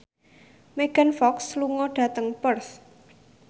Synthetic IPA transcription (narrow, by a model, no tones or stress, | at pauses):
meɡ̥anfɔksluŋɔɖ̥ä̤t̪əŋpərs